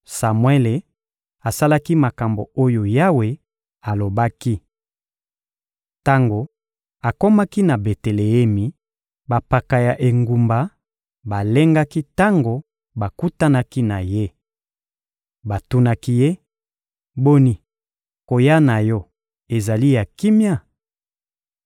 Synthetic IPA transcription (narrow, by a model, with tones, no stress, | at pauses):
sa˨mwe˦le˨ | a˨sa˦la˦ki˦ma˨ka˨mbo̰˨o˦jo˨ja˦we˨ | a˨lo˨ba˦ki˦ | ta˦ŋɡo˨ | a˨ko˦ma˦ki˦na˨be˨te˨le˨e˦mi˨ | ba˨pa˨ka˨ja˨ʔe˨ŋɡu˨mba˨ | ba˨le˦ŋɡa˦ki˦ta˦ŋɡo˨ | ba˨ku˦ta˦na˦ki˦na˨je˦ | ba˨tu˦na˦ki˦je˦ | bo˦ni˨ | ko˨ja˦na˨jɔ˦ | e˨za˨li˦ja˨ki˦mja˦˨